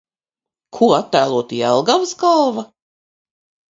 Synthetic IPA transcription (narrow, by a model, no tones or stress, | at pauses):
kʰuɔat̪ːæːlˠuɔt̪iɛlˠɡawsɡalˠva